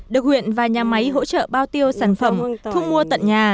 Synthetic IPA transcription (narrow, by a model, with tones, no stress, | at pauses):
ɗɨ˨˩ək̚hwḭ˧˨ənvaː˨˩ɲaː˨˩ma˨˦jɦo̰˧˥t͡ɕə̰ː˧˨ɓaː˧wt̪i˧əwsaː˧˩nfə˧˩mt̪ʰu˧ŋ͡mmu˧ət̪ə̰˧˨nɲaː˨˩